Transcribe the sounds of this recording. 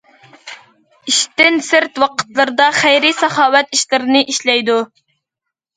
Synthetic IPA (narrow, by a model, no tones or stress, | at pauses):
iʃt̪ɪnsɪɾt̪wɑqʰə̥t̪lˠɨɾɨd̪ɑχæjɾisɑχɑːwɛt̪iʃlɨɾɨnɨʔiʃlɛjd̪u